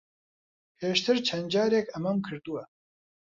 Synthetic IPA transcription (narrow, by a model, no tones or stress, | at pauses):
pʰeːʃt̪ʰɨɾt͡ʃʰɐnd͡ʒɑːɾekɐmɐmkʰɨɾd̪uwɛ